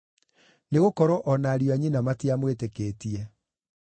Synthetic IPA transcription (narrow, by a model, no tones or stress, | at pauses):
neɣokɔɾɔʔɔnaːɾjoaɲinamatiamwetekeːtiɛ